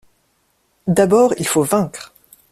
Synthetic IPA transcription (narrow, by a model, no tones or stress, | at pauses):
d̪abɔːʁḭlfovɛ̃kχ